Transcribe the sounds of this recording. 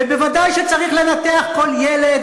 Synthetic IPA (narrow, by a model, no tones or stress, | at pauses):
ebevad̪ajʃet͡saʁiχle̞nat̪eaχko̞ljeled̪